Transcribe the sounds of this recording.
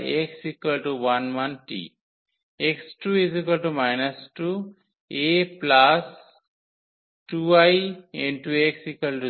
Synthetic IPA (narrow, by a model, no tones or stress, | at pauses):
eksikəlʈuwanwanʈḭ | eksʈuis̬ikəlʈumajnɐsʈu | eplas | ʈuajɛ̃ɳɖʈueksikəlʈu